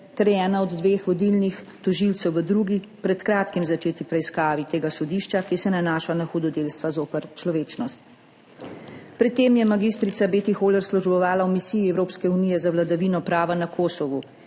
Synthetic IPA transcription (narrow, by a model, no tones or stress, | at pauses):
t̪ɛɾjɛːnaɔd̪ːʋeːxʋɔd̪ilnix | t̪ɔʒilt̪sɛwʋəd̪ɾuːɡipɾɛt̪kɾaːt̪kimzat͡ʃeːt̪ipɾɛiskaːʋit̪eːɡasɔd̪iːʃt͡ʃakisɛnanaːʃanaxud̪ɔd̪eːlst̪ʋazoːpəɾt͡ʃlɔʋeːt͡ʃnɔst̪ | pɾɛt̪ːeːmjɛmaɡist̪ɾit̪sabeːt̪ixoːlɛɾslɔʒbɔʋaːlaɔmisiːjiɛwɾoːpskɛuniːjɛzawlad̪aʋiːnɔpɾaːʋanakʰoːsɔʋu